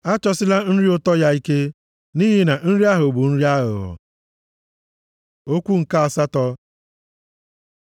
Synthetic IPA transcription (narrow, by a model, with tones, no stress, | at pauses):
a˦t͡ʃɔ˦sɪ˦la˦n̩˦ɾi˦o˦tɔ˦ja˦i˦ke˦ | ni˦ɦi˨na˨n̩˦ɾi˦a˦ɦʊ˨bu˨n̩˦ɾi˦a˦ɦʊ̰˨ɦʊ̰˨ | o˦kʷu˦ŋ̩˨ka˦a˨sa˦tɔ˦